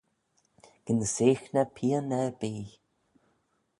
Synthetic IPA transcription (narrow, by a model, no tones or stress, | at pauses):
ɡ̥ənəseːxnəpʰiːənɛbiː